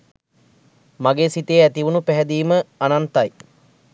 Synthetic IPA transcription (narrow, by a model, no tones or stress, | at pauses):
maɡeːsit̪eːæt̪iʋunupæɦɛd̪iːməanant̪aj